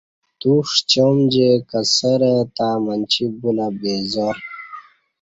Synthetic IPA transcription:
t̪uʂt͡ɕomd͡ʑekəsəɾət̪aːmənt͡ɕʰibunabezoɾ

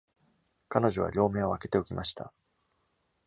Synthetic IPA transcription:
kano̞ʑo̞βa̰ɾʲo̞ːme̞ːo̞ake̞t̪e̞okʲimaɕi̥t̪a̰

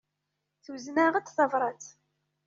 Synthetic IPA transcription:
θuznæʁət͡sθɑvɾˤɑt͡s

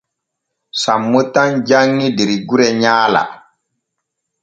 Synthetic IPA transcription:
samːotand͡ʒaŋːidiɾiɡuɾɛɲaːla̰

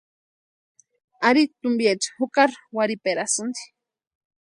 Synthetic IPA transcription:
aɾit̪umbjet͡ʃhukaɾwaɾipeɾasund̪i̥

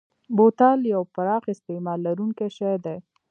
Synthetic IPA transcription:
bot̪ɑljawfaɾɑxɪst̪emɑlːaɾuŋkaʃajd̪e

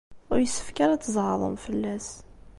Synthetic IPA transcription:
ʊɾjəsːə̥fkaɾæːəzˤʕðˤə̰mfəlːæs

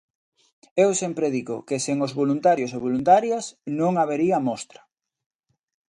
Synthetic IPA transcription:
ewsempɾeðiɣo̰keseŋozβolunt̪aɾjoseβ̞olunt̪aɾjasnõŋaβeɾiamɔst̪ɾḁ

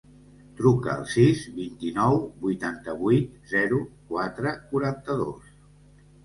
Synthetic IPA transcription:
t̪ɾukə̰ːlˠsizβint̪inɔwbujt̪ant̪əβujt̪̚zɛɾukwat̪ɾəkuɾant̪əðo̰s

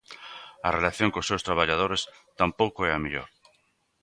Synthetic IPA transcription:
arelaθjõŋkosewst̪ɾaβ̞aʎað̞oɾest̪ampowkoɛamiʎo̰ɾ

